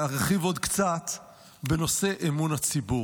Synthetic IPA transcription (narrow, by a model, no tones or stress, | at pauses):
aʁeχivod̪kt͡sat̪ | beno̞se̞ʔemunat͡sibu